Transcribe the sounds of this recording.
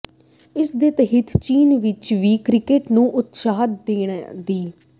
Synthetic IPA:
ɪsd̪eːt̪əɦɪt̪ʰt͡ʃiːnʋɪt͡ʃʋiːkɾɪkeːʈnũːʔʊt̪saːd̪d̪eːɳd̪iː

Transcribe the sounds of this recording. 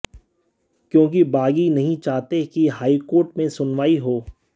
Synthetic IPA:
kjõːk̬ibaːɡinɐɦĩt͡ʃaːɦt̪ekiɦaːikoːɾʈmẽsʊnʋaːiɦoː

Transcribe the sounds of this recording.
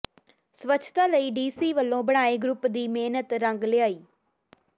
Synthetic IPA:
sʋət͡ʃʰt̪aːləiːɖiːsiːʋəlːõːbəɽ̃aːeːɡɾʊpd̪iːmeːnət̪ɾəŋɡlɪaːiː

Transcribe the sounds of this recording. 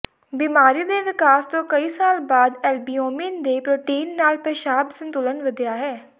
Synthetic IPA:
biːmaːɾiːd̪eːʋɪkaːst̪õːkəiːsaːlbaːd̪ɛːlbiːoːmiːnd̪eːpɾoːʈiːnːaːlpeːʃaːbsə̃nt̪ʊlənʋəd̪jaːɦɛː

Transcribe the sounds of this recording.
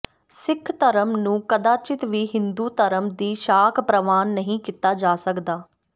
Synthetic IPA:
sɪkʰːt̪əɾəmnũːkəd̪aːt͡ʃɪt̪ʋiːɦɪ̃nd̪uːt̪əɾəmd̪iːʃaːkʰpɾəʋaːnːəɦĩːkiːt̪aːd͡ʒaːsəkd̪aː

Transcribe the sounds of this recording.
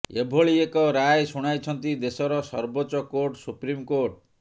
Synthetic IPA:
ebʱoɭiekɔɾajsuɽ̃ajt͡ʃʰɔnt̪id̪esɔɾɔsɔ̰ɾboːt͡ʃɔkoɾʈsupɾimkoɾʈ̚

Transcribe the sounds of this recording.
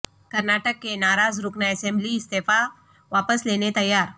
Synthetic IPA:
kɐɾnaːʈəkːenaːɾaːzɾʊknaɛsɛ̃mbliɪst̪eːfa | ʋaːpəsleːnet̪ɐjːaːɾ

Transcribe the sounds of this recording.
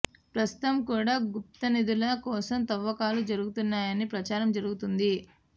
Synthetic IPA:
pɾɐst̪u̥t̪ɐmkuːɽaːɡup̚t̪ɐnid̪ulɐkɔːsɐmt̪ɐʋːɐkaːlud͡ʒɐɾuɡut̪unːaːjɐnipɾɐt͡ʃaːɾɐmd͡ʒɐɾuɡut̪und̪i

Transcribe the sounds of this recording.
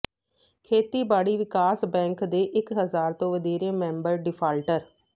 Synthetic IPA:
kʰeːt̪iːbaːɽiːʋɪkaːsbɛ̃ːŋkd̪eːʔɪkɦəzaːɾt̪õːʋəd̪eːɾeːmɛ̃ːmbəɾɖɪpʰaːlʈəɾ

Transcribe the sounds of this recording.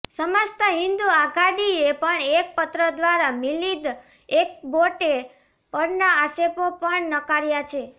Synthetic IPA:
səmast̪aɦind̪uaɡaɽiepəɳek̚pət̪ɾəd̪ʋaɾamilid̪ | ek̚boʈe | pəɾnaasepopəɳnəkaɾjat͡ʃʰe

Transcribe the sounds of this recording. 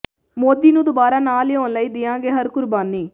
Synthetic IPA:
moːd̪iːnũːd̪obaːɾaːnaːljoːnləiːd̪ɪãːɡeːɦəɾkʊɾbaːniː

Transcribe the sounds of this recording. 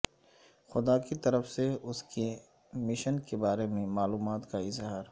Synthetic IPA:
xʊd̪aːkit̪ɐɾəfseʊske | mɪʃənkebaːɾemẽmaːluːmaːt̪kaɪzɦaːɾ

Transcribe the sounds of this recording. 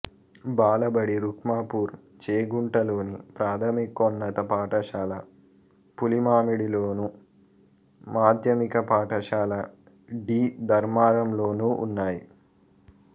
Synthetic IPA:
baːlɐbɐɽiɾukmaːpuːɾ | t͡ʃeːɡuɳʈɐloːnipɾaːt̪ʰɐmikɔnːɐt̪ɐpaːʈɐʂaːlɐ | pulimaːmiɽiloːnu | maːd̪ʱjɐmikɐpaːʈɐʃaːlɐ | ɖiːd̪ɐɾmaːɾɐmloːnuːʔṵnːaːji

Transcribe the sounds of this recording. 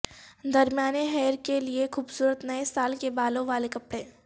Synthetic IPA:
d̪ɐɾmjaːneɦɛːɾkeliexuːbsuːɾət̪nɐesaːlkebaːlõʋaːlekɐpɽẽː

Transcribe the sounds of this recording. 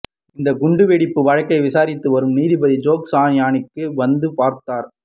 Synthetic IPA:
ɪnd̪ɐɡʊɳɖɯʋeːɽɪpːɯʋɐɻɐkːɐɪʋɪsaːɾɪt̪ːɯʋɐɾɯmniːðibɐðid͡ʒoːksaːnjaːɳɪkːɯʋɐnd̪ɯpaːɾt̪ːaːɾ

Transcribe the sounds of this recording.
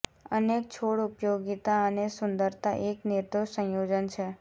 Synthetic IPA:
ənek̚t͡ʃʰoɽʊpjoɡit̪aənesʊnd̪əɾt̪a̰ʔeknɪɾd̪oʃsə̃jod͡ʒənt͡ʃʰe

